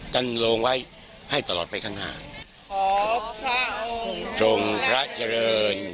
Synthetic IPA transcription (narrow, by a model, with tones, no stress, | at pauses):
t͡ɕa˧nloː˧ŋwa˦˥j | ha˥˩jt̪a˧lɔː˨˩t̚pa˧jkʰaː˦˥ŋna̰ː˥˩ | t͡ɕo˧ŋpʰɾa˦˥ʔt͡ɕa˧ɾɤː˧n